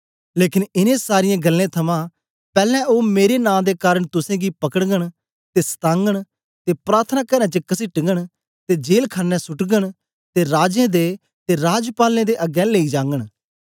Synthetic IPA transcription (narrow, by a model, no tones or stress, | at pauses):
leːkɪnɪnẽːsaːɾɪjãːɡəlːẽːt̪ʰɐmãː | pɛːlɛ̃ːoːmeːɾenãːd̪eːkaːɾəɽt̪ʊsẽːɡiːpɐkəɽɡəɽ̃ | t̪eːst̪ãːŋɡəɽ̃ | t̪eːpɾaːɾt̪ʰənãːkəɾɛ̃ːt͡ʃəkɐsiːʈɪŋɡəɽ | t̪eːd͡ʒeːlkʰaːnːɛ̃sʊʈɡəɽ̃ | t̪eɾaːd͡ʒẽːd̪eː | t̪eɾaːd͡ʒpaːlẽːd̪eːʔɐɡɛ̃ːleːiːd͡ʒãːŋɡəɽ̃